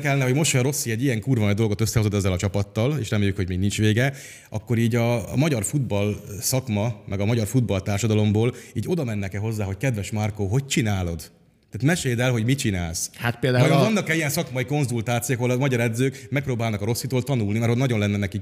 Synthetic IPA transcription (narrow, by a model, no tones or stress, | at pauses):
kɛlːɛnːɛɦo̞ɟmo̞ʃoɾo̞sːiɛɟijɛŋkuːrvɒnɒd̪o̞lɡo̞t̪øsːɛɦozo̞t̪ɛzːɛlɒt͡ʃɒpɒt̪ːɒleːʃrɛmeːjːykho̞ɟmiːɡnint͡ʃʋeːɡɛ | ɒ̰kːo̞ɾiːɟɒmɒɟɒrfud̪̚bɒlsɒkmɒmʔɛɡɒmɒɟɒrfud̪̚bɒlt̪aːrʃɒd̪ɒlo̞mboːliːɟo̞d̪ɒmɛnːɛkɛɦo̞zːaːɦo̞ckɛd̪ʋɛʃmɒrkoɦo̞ct͡ʃinaːlo̞d̪ | t̪aːt̪mɛʃeːd̪ɛlɦo̞ɟmit͡ʃina̰ːlshat̪̚peːld̪aːɒjovɒnːɒkɛijɛnsɒkmɒjiko̞nzult̪aːt̪sijokhɒolɒmɒɟɒɾɛd̪zøːkmɛk̚prɾoːbaːlnɒkɒɾo̞sːit̪oːlt̪ɒnulnimɛɾonɒɟo̞nlɛnːɛnɛki